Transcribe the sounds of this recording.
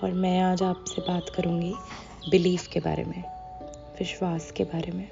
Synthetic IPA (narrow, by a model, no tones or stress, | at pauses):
ɔːɾmɛ̃aːd͡ʒaːpsebaːt̪kɐɾũːɡi | bɪliːfkeba̰ːɾḛmẽ | ʋɪʃwaːskebaːɾemẽ